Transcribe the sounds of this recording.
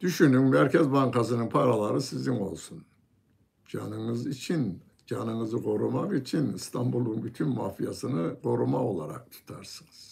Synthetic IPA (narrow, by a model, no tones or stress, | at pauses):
d̪̥yʃynymmæɾcʰɛzbaŋkʰasɯnɯnpʰaɾalˠaɾɯsiziŋo̞̰lˠsun | d͡ʒa̰nɯnɯzit͡ʃʰin | d͡ʒanɯnɯzɯɡʰo̞ɾumaqit͡ʃʰinist̪ʰambulˠunbyt̪ʰynmaːfijasɯnɯɡʰo̞ɾumao̞̰lˠaɾa̰k̚t̪ʰu̥t̪ʰaɾsɯnɯz̥